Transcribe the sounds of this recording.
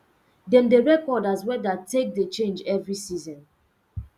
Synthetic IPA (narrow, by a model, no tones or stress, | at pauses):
dɛ̃ndeɹɛkɔdazwɛdatʰek̚det͡ʃẽnd͡ʒɛvɹisizɔ̃n